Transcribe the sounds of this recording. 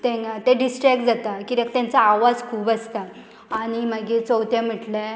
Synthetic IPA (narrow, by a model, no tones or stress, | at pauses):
t̪ẽt̪ẽɖisʈɾɛk̚ʈd͡zat̪akit̪ek̚t̪jãnt͡saːʋad͡zkʰuːbəst̪aː | ɽ̃im̤əɡit͡sɔwt̪jãm̤iʈle